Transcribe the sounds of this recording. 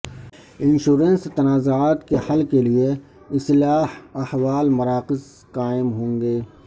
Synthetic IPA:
ɪ̃nʃuːɾə̃nst̪ɐnaːzoaːt̪kehɐlkelie | ɪslaːhɐhwaːlmɐɾaːqɪz | qaːɪmɦõːŋɡeː

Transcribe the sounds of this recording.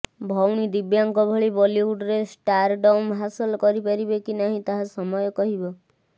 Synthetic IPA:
bʱɔwɽ̃id̪ibjaŋkɔbʱɔɭibɔliuɖɾesʈaɾɖɔwmɦasɔlɔkɔɾipaɾibekinaɦĩt̪aɦasɔmɔjɔkɔɦibɔ

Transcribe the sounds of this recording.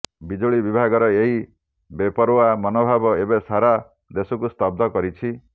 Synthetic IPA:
bid͡ʒoɭibibʱaɡɔɾɔeɦi | bepɔɾoamɔnobʱabɔebesaɾa | d̪esɔkust̪ɔb̚d̪ʱɔkɔɾit͡ʃʰi

